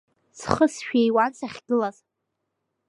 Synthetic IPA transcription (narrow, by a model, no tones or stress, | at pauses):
sχəsʃᶣejwant͡sʰʼaχʲɡɨlaz